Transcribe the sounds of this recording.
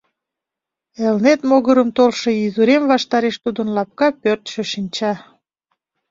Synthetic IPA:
elnet̪moɣəɾəmt̪olʃe̽izuɾemvɑʃt̪ɑɾeʃt̪ud̪ənlɑp̚kɑpørt̪ʃəʃinʲt͡ɕɑ

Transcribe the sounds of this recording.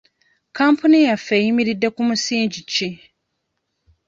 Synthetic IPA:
kʰãmpʰunijafejimiɾidːekumusĩːɲd͡ʑit͡ʃʰi

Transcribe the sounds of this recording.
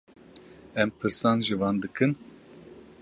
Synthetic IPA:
ɛmpʰɨɾsɑːnʒivɑːnd̪ɨkʰɨn

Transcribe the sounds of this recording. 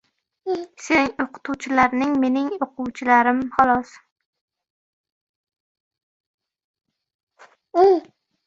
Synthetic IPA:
seŋoqʰɨ̥t̪ʰuwt͡ʃʰɪlaɾnɪŋme̞nɪŋoqʰʊwt͡ʃʰɪlaɾɪmhɒlˠɒs

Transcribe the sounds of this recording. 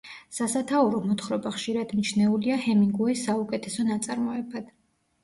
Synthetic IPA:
sasat̪ʰauɾɔmɔt̪ʰχɾɔbaχʃiɾad̪nit͡ʃʰnɛuliahɛmiŋɡuisːaukʼɛt̪ʰɛsɔnat̪sʼaɾmɔɛbad̪̥

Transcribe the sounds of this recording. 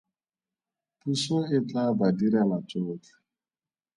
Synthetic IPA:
pusoɪt͡ɬabadiɾanat͡ʃotḁ

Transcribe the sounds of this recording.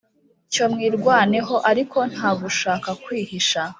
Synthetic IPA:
co̞mŋiːɾɡwaːneɦo̞ʔaɾikʰo̞n̥haːɡuʃaːkakwiːhiʃa

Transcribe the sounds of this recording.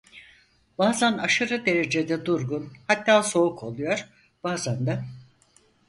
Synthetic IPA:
b̥aːzanaʃɯɾɯd̪e̞ɾe̞d͡ʒe̞d̪ɛd̪uɾɡunhat̪ːaːso̞ukʰo̞lˠujo̞ɾ̥ | b̥aːzand̪a

